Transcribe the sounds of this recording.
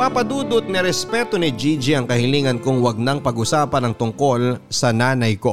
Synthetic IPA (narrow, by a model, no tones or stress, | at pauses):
papɐd̪uːd̪ot̪̚nɛɾɛspɛt̪o̞nɪd͡ʒid͡ʒiʔɐŋkɐhɪliːŋɐnkʊŋwɐɡ̚nɐŋpɐɡʔʊsaːpɐnɐŋt̪ʊŋko̞lsɐnaːnɐjko̞